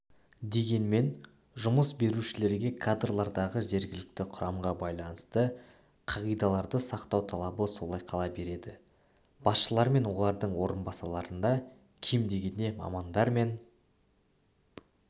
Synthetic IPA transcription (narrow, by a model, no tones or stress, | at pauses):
d̪e̞ɡʲe̞nme̞n | ʒʊməsbe̞ɾuʃɪle̞ɾɡʲe̞kʰad̪rlˠɑɾd̪ɑʁəʒe̞ɾɡʲɪlɪk̚t̪ɪqʰʊɾɑmʁɑbɑjlˠɑnəst̪ə | qʰɑʁijd̪ɑlˠɑɾd̪əsɑqt̪ɑwt̪ʰɑlˠɑbəso̞lˠɑjqʰɑlˠɑbe̞ɾe̞d̪ɪ | b̥ɑsʃəlˠɑɾme̞nwo̞lˠɑɾd̪əɴwo̞ɾənbɑsɑlˠɑɾənd̪ɑ | kʲʰemd̪e̞ɡʲe̞ne̞mɑ̰mɑnd̪ɑɾme̞n